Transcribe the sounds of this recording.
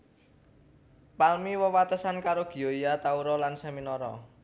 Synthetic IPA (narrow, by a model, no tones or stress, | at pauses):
palmiwəwat̪əsankaɾoɡ̥i̤oijat̪auɾɔlanseminɔɾɔ̰